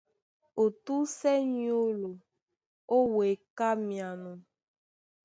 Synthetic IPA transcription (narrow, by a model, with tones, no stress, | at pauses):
o˨tu˦sɛ˦ɲ˦o˦lo˨ | o˦we˨ka˦mĩ˨a˨nũ˨